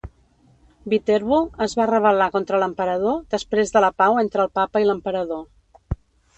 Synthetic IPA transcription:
bit̪ɛɾβuəzβarəβ̞əlakont̪ɾələmpəɾəðod̪əspɾezðələpawent̪ɾəːlˠpapəiləmpəɾəðo

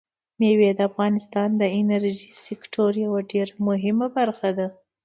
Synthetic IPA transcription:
mewed̪əafɣɑnɪst̪ɑnd̪əɪnaɾʒisɪkʈʰoɾjawaɖeɾamʊɦɪmabaɾxad̪a

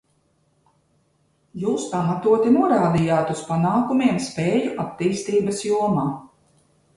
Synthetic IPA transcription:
juːspamat̪uɔt̪inuɔɾaːd̪ijaːt̪uspanaːkumiɛmspɛːjuʔat̪ːiːst̪iːbɐsjuɔmaː

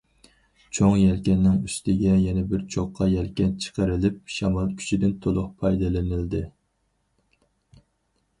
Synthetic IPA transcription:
t͡ʃʰoŋjɛlkʲɛnːɪŋyst̪ɪɡʲɛjɛnɛbɪɾt͡ʃʰoqʰːɑjɛlkʲɛnt͡ʃʰə̥qʰəɾɪlɪp̚ʃɑmɑlˠkʲʰy̥t͡ʃʰid̪ɪnt̪ʰolˠʊqpʰɑjd̪ɨlɪnɪld̪ɪ

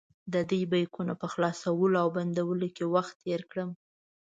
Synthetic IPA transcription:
d̪əd̪əjbajkunapəxlɑsawəloawband̪awəlokewaxt̪ːeɾkɽəm

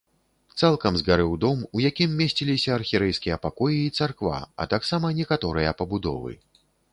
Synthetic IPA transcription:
t̪salˠkɐmzɣaɾɨwd̪ɔmujakʲimːʲesʲt͡sʲilʲisʲɐːrxʲiɾɛjskʲijɐpakɔjiːt̪sarkva̰ɐ̰t̪aksamɐnʲɛkat̪ɔɾɨjɐpɐbud̪ɔ̰vɨ̰

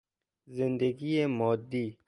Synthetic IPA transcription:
zɪnd̪əɡiemɔːd̪ːiː

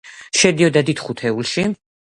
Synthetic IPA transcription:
ʃɛd̪iɔd̪ad̪it̪ʰχut̪ʰɛulˠʃi

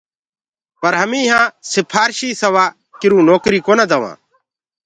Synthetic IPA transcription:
pəɾɦəmĩːɦãːsɪpʰaːɾʃiːsəʋaː | kɪɾũːnoːkɾiːkoːnaːd̪aʋã̰ː

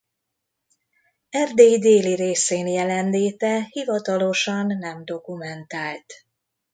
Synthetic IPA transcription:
ɛrd̪eːjid̪eːliɾeːseːnjɛlɛnleːt̪ɛhivɒt̪ɒlo̞ʃɒnːɛmd̪o̞kumɛnt̪aːlt̪

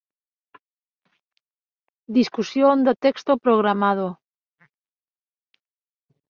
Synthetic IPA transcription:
d̪iskusjond̪ot̪ekst̪opɾoɣɾamað̞o

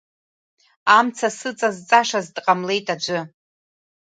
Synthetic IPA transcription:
amt͡sʰasɨt͡sʼazt͡sʼaʂazdqʼamle̞jtʼad͡ʒʷʼɨ

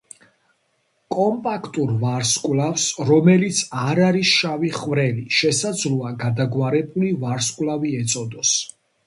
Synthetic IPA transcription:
kʼɔmpʼakʰt̪ʼuɾvaɾskʼwlafsɾɔmɛlit̪sʰaɾaɾisʃaviχvɾɛliʃɛsad̪zluaɡad̪aɡwaɾɛbulivaɾskʼwlaviɛt̪sʼɔd̪ɔs

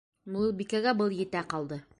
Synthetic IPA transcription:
mubikæɡæbɤlˠjɘ̆t̪æqɑlˠd̪ɤ

